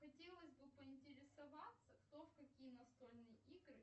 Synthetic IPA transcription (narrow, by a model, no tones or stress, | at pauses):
xɐtʲelˠəsʲbɨpəɪnʲtʲɪɾʲɪsɐvat̪səkt̪ofkɐkʲijənɐst̪olʲnɨjəiɡɾɨ